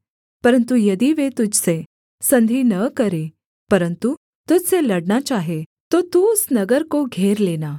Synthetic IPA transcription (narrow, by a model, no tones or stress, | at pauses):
pəɾənt̪ujəd̪iːʋet̪ud͡ʑt͡se | sənd̪ʱiːnəkəɾe | pəɾənt̪u | t̪ut͡seləɽnat͡ɕaɦe | t̪ot̪ũsnəɡəɾkoɡʱeɾlena